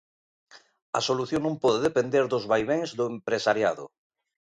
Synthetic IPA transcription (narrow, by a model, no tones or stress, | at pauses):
ɐ̰soluθjoŋnõmpɔðeðepend̪eɾðʊzβajβeŋzðʊempɾesaɾjaðʊ̰